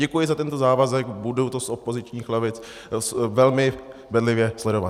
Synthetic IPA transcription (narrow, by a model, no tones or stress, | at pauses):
ɛkujɪzat̪ɛnt̪o̞zaːvazɛkbudowt̪osʔopo̞zɪt͡ʃɲiːxlɛvɪt͡s | svɛlmɪvɛdlɪvjɛslɛdo̞va